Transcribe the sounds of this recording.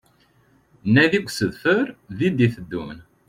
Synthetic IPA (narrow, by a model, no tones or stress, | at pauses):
nːæðiɡʷsəðfəɾðid̪iθəd̪ːṵmn